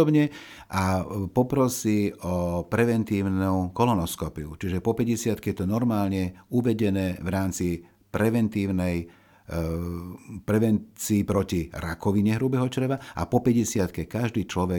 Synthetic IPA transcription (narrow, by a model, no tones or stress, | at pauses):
ɔbɲɛʔapɔpɾɔsiːɔpɾɛʋɛnt̪iːʊnukɔlɔnɔskɔpiṵt͡ʃiʒɛpɔpɛɟɛsɪat̪kɛjɛt̪ɔnɔɾmaːlɲɛuʋɛɟɛnɛːʋɾaːmt͡si | pɾɛʋɛnt̪iːʊnɛj | pɾɛʋɛnt͡siːpɾɔciɾakɔʋiɲɛɦɾubɛɦɔt͡ʃɾɛʋaʔa̰pɔpɛɟɛsɪat̪kɛkaʒd̪iːt͡ʃlɔʋɛ